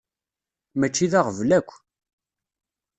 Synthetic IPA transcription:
mæt͡ʃːiðaʁəvlækʷː

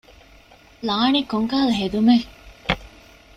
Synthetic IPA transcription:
laːnikoŋkaːlɦed̪ume

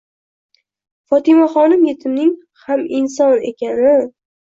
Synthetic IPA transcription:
fɒt̪ʰɪmaχɒnɪmjet̪ʰɪmnɪŋ | hamɪns̬ɒne̞̰kʲʰanɪ

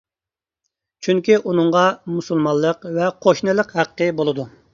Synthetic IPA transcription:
t͡ʃʰyŋkʲiʔunɨŋʁɑmusulˠmɑlˠːəqvɛqʰoʃnɨlˠəqhæqʰːəbolˠɨd̪u

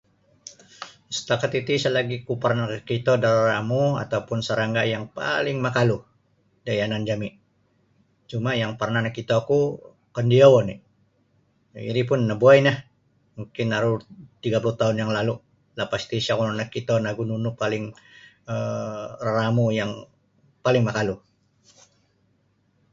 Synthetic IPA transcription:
sə̥t̪akat̪it̪isalaɡikupərnakəkit̪odarramua̰t̪awpʊnsəɾaŋɡajaŋpa̰lɪŋmakalu | daianand͡ʒami | t͡ʃumajaŋpərnanakit̪oaku | kəndiawɔni | ḭɾip̬ʊnːabuajnah | muŋkɪnaɾut̪iɡapuluht̪aɦʊnjaŋlalu | lapast̪isiakunanakːit̪onaɡununupalɪŋ | əraramujaŋ | palɪŋmakalu

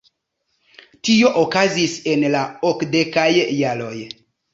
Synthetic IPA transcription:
tio̞ʔokazise̞nlaokde̞kajːalo̞j

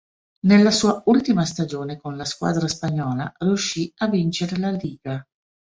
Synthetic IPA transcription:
nelːasuːault̪imast̪ad͡ʒoːnekonlaskwa̰ːd̪ɾaspaɲːɔːla̰riuʃːiavint͡ʃeɾelaliːɡa

